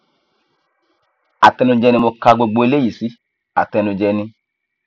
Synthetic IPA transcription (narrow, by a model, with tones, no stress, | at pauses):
a˨tɛ˧nũ˧d͡ʒɛ˧nĩ˧mo˧ka˧ɡ͡bo˧ɡ͡bo˧e˧le˦ji˨si˨˦ | a̰˨tɛ˧nũ˧d͡ʒɛ˧nĩ˧